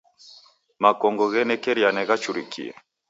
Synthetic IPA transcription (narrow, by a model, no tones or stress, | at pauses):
makɔŋɡɔɣɛnɛkɛɾianɛɣat͡ʃuɾikḭɛ̰